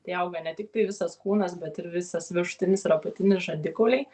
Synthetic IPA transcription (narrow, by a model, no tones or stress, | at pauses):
t̪ɐɪɐʊɡɐnʲɛt̪ʲɪkt̪ɐɪʋʲɪsɐskuːnɐsbʲɛt̪ɪɾʋʲɪsɐsʋʲɪʃʊ̥t̪ʲɪnʲɪsɾɐpɐt̪ʲɪnʲɪʒɐd̪ʲɪkoːlʲɛɪ